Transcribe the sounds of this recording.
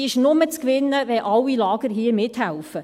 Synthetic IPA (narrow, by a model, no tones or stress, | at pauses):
ɪʃnʊmət͡skʋɪnːəʋɛʔɑlːilɑːɡ̥əɾɦiːəmɪthælfə